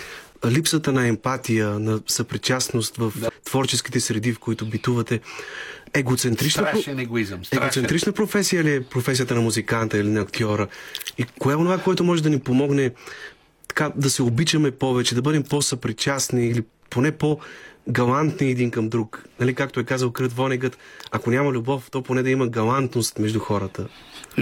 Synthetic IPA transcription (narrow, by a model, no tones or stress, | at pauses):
lipsət̪ənɐɛmpat̪ijənɐsɐpɾit͡ʃasnost̪vɐft̪v̥ɔɾt͡ʃɛsk̟i̥t̪ɛsɾɛd̪ifkoit̪ʊbit̪uvɐt̪ɛ | ɛɡot̪sɛnt̪ɾit͡ʃnɐɛɡoizmɛɡot̪sɛnt̪ɾit͡ʃnəpɾofɛsijəliɛpɾofɛsijət̪ənɐmuzikant̪ɐilinɐːkt̪ʲɔɾəikojaonovakoɛt̪ʊmɔʒɛd̪ɐnipomɔɡnɛ | t̪ɐ̥kad̪ɐsɛobit͡ʃɐmɛpɔvɛt͡ʃɛd̪ɐbɤd̪ɛmpɔsɐpɾit͡ʃasniːli | ponɛpɔɡɐlˠant̪niɛd̪inkɐmd̪ɾuknɐlikakt̪ʊɛkazəlˠkɾət̪vɔnɛɡət̪ɐkonʲamɐlʲubɔft̪ɔponɛd̪ɐimɐɡɐlˠant̪nost̪mɛʒd̪uxɔɾət̪ə